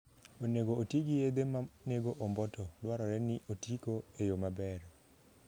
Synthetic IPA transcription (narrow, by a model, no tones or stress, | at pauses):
oneɡootiɡijed̪emaneɡoʔombɔtɔlwaɾɔɾɛnɪʔotikoejomabɛɾ